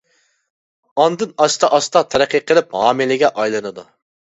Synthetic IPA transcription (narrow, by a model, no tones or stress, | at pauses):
ɑnd̪ɨnɑʃt̪ʰɑʔɑʃt̪ɑt̪ʰæɾæqʰːiqʰəlˠɪp̚ɑːmɪlɪɡʲɛʔɑjlˠɨnɨd̪u